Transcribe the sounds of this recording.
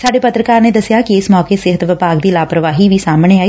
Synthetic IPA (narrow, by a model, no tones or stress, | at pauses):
saːɖeːpət̪ɾəkaːɾneːd̪əsɪjaːkiɪsmɔːkeːsɪɦət̪ʋɪpaːɡd̪iːlaːpɾəʋaːɦiːʋiːsaːmɳ̃eːaːiː